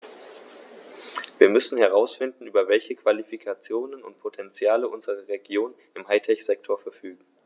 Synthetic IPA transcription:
viːɐmʏsn̩hɛʁ̞aʊsfɪndn̩ʔyːbɐvɛlçəkv̥alifikʰat͡sjoːnənʊ̰ntpʰotʰɛnt͡sjaːləʔʊnzəʁ̞əʁeɡjoːn | ɪmɦaɪtʰɛçz̥ɛk̚tʰoːɐfɛɐfyːɡŋ̩

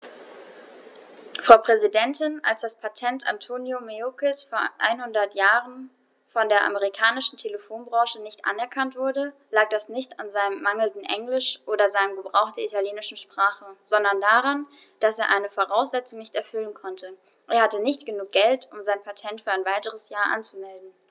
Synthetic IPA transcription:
fʁ̥aʊpʁ̥ɛzidɛntɪnʔa̰lsd̥aspʰatʰɛntʰa̰ntʰoːnjomeokɪsfoːɐʔa̰ɪnhʊndɐtjaːʁən | fɔndeːɐʔa̰məʁikʰaːnɪʃn̩tʰeləfoːnbʁɔ̃ːʃənɪçtʔa̰nɛɐkʰantv̥ʊɐdəlaːk̚d̥asnɪçtanzaɪnəmmaŋl̩dn̩ʔɛŋlɪʃʔoːdɐzaɪnəmɡəbʁaʊxtd̥eːɐitaljeːnɪʃn̩ʃpʁ̥aːχəz̥ɔndɐndaːʁan | d̥aseːɐʔaɪnəfoʁaʊsz̥ɛt͡sʊŋnɪçtɛɐfʏlənkʰɔntʰə | ʔeːɐhatənɪçtɡ̥ənuːk̚ɡ̥ɛltʊmzaɪnpʰatʰɛntfyːɐaɪnvaɪtəʁəsjaːɐʔa̰nt͡sumɛldn̩

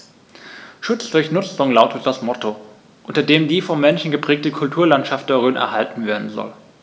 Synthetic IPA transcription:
ʃʊt͡sd̥ʊɐçnʊt͡sʊŋlaʊtət̚d̥asmɔto | ʔʊntɐdeːmdiːfɔmːɛnʃn̩ɡəpʁ̥ɛːk̚təkʰʊltʰuːɐlantʃaft̚d̥ɛʁøːnʔɛ̰ɐɦaltn̩veːɐdn̩zɔ̰l

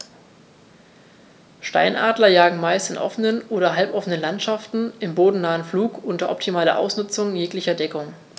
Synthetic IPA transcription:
ʃta̰ɪnʔa̰ːdlɐjaːɡŋ̩maɪstɪnʔɔ̰fənənʔoːɾɐɦalpʔɔfənənlantʃaftn̩ʔɪmboːdn̩naːənfluːkʔʊntɐʔɔp̚tʰimaːlɐ̰ʔa̰ʊsnʊt͡sʊŋjeːklɪçɐdɛkʊŋ

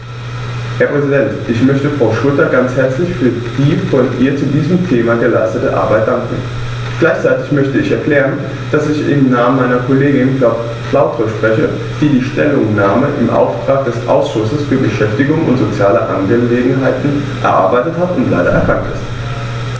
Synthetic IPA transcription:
hɛɐpʁ̥ɛzidɛntʔɪçmœçtəfʁ̥aʊʃʊltɐɡant͡shɛɐt͡slɪçfyːɐdiːfɔnʔiːɐt͡sudiːzəmtʰeːmaɡəlaɪstətəʔa̰ɐbaɪt̚d̥aŋkŋ̩ | ɡ̥laɪçt͡saɪtɪçmœçtəɪçɛɐkl̥ɛːʁən | d̥asɪçɪ̰mnaːmənmaɪnɐkʰoleːɡɪnkla | kʰlaʊtʁoʃpʁ̥ɛçə | d̥iːdiːʃtɛ̰lʊŋnaːməʔɪ̰mʔa̰ʊftʁ̥aːk̚d̥ɛsʔa̰ʊsʃʊsəsfyːɐbəʃɛftɪɡʊŋʊ̰ntz̥ot͡sjaːlə̰ʔa̰nɡəleːɡŋ̩ɦaɪtn̩ | ʔɛ̰ɐʔa̰ɐbaɪtəthatʊntla̰ɪdɐʔɛ̰ɐkʰaŋktɪ̰st

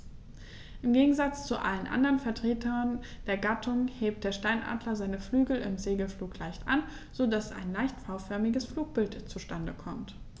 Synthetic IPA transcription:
ʔɪmɡeːɡŋ̩zat͡st͡suʔa̰lənʔa̰ndəʁənfɛɐtʁ̥eːtʰɐn | d̥eːɐɡatʰʊŋheːp̚t̚d̥eːɐʃtaɪnʔa̰ːdlɐzaɪnəflyːɡl̩ɪ̰mzeːɡl̩fluːklaɪçtʔa̰n | z̥odasa̰ɪnlaɪçtfaʊfœɐmɪɡəsfluːk̚b̥ɪltt͡suʃtandəkʰɔmt

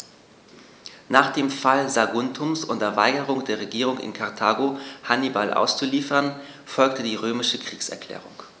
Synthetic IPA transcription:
naːχd̥eːmfalzaɡʊntʰʊmsʔʊntɐva̰ɪɡəʁʊŋd̥eːɐʁeɡiːʁ̞ʊŋɪ̰nkʰaʁtʰaːɡohanibalʔa̰ʊst͡suliːfɐn | fɔlktədiːʁøːmɪʃəkʁ̥iːksɛ̰ɐkʰl̥ɛ̰ːʁ̞ʊŋ

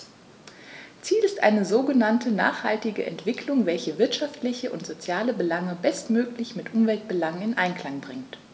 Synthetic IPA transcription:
t͡siːlɪstʔa̰ɪnəzoːɡənantʰəna̰ːχha̰ltɪɡəʔɛ̰ntv̥ɪkʰlʊŋvɛlçəvɪɐtʃaftlɪçəʔʊntz̥ot͡sjaːləbəlaŋəbɛstmøːklɪçmɪtʔʊmvɛlt̚b̥əlaŋənɪnʔaɪnkl̥aŋbʁɪŋt

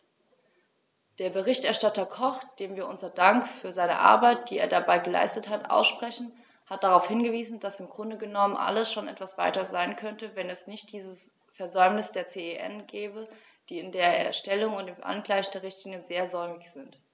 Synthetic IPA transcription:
d̥eːɐbəʁɪçtɛɐʃtatɐkʰɔχd̥eːmviːɐʔʊnzɐdaŋkfyːɐzaɪnə̰ʔa̰ɐbaɪt̚d̥iːeːɐdabaɪɡəla̰ɪstəthatʔa̰ʊsʃpʁ̥ɛçn̩ | hat̚d̥aʁaʊfhɪnɡəviːzn̩d̥asɪmɡʁʊndəɡənɔmənʔa̰ləsʃoːnʔɛ̰tv̥asv̥a̰ɪtɐzaɪnkʰœntəvɛnɛsnɪçt̚d̥iːzəs | fɛɐzɔʏmnɪsd̥eːɐt͡seːeʔɛ̰nɡɛːbə | d̥iːɪndeːɐɛ̰ɐʃtɛlʊŋʊntdeːmʔa̰nɡlaɪçd̥eːɐʁɪçtʰlɪŋjənzeːɐzɔʏmɪçz̥ɪnt

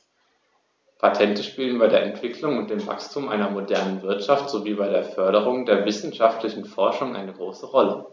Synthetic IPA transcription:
pʰatʰɛntəʃpiːlənbaɪdeːɐʔɛntv̥ɪkʰlʊŋʊntd̥eːmva̰kstʰuːmʔa̰ɪnɐmodɛɐnənvɪɐtʃaftz̥oviːbaɪɾeːɐfœɐɾəʁ̞ʊŋdeːɐvɪsn̩ʃaftlɪçn̩fɔɐʃʊŋʔa̰ɪnəɡʁoːsəʁɔlə

